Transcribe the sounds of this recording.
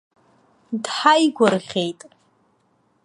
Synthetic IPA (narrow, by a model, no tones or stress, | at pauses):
dħajɡʷʊrʁʲejtʼ